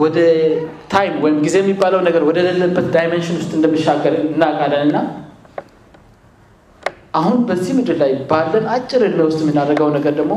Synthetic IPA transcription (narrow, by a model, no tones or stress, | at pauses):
wɔd̪ə | t̪ʰajmwɔjɪmɡize̞jɛmːibːaləwnəɡəɾwɔd̪ələlːəbːət̪d̪ajmenʃɪnwʊst̪ʼɨnd̪əmɨʃːaɡəɾɨnːakʼalːənɨnːa | ʔahunbəzːihmɨd̪ɨllajbalːənat͡ʃʼːɪɾɨnmjewʊst̪ʼjɛmːinarːəɡəwnəɡəɾd̪əɡmo̞